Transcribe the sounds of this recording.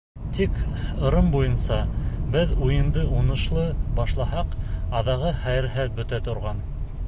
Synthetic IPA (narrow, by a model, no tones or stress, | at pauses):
t̪ikɤ̆ɾɤmbujɤnsɑbɘðujɤ̆nd̪ɤunɤ̆ʃlˠɤbɑʃlˠɑhɑqɑðɑʁɤχæjɘ̆ɾɦæð̚bɵ̆t̪æt̪ŏɾʁɑn